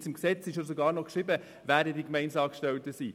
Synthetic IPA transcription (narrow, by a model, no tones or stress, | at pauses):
sɪmksɛt͡sɪʃəs̬oɡɑːɾnɔkʃɾɪbə | væːɾdədikmɛɪnsɑːkʃtɛltəsiː